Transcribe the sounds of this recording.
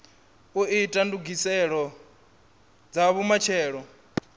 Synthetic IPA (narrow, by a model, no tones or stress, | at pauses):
uʔitʼanduɡisɛɺɔ | d͡zaβumat͡ʃʰɛːɺɔ